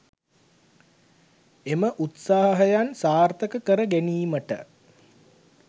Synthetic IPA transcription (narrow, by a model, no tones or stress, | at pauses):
eməʔut̪saːɦɐɦɐjansaːrt̪əkəkəɾəɡæniːməʈə̰